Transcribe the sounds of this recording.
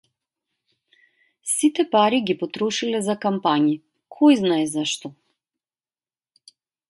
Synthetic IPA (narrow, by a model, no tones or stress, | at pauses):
sit̪ɛpaɾiɡipɔt̪ɾɔʃilɛzakampaɲi | kʰɔjznaɛzaʃt̪ɔ